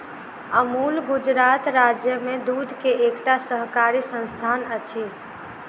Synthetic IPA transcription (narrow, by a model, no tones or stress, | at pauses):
əmulɡud͡ʒɾat̪ɾad͡ʒjəmed̪ud̪ʱkeʔekʈasəɦkaɾisə̃nst̪ʰanət͡ʃʰi